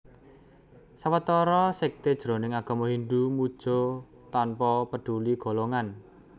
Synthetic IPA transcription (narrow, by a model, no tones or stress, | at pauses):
sawət̪ɔɾɔsek̚t̪ed̥ʒ̥ɾo̤nɪŋaɡ̥ɔ̤mɔɦiɳɖ̪umud̥ʒ̥ɔ | t̪anpɔpəɖ̥uliɡ̥o̤loŋan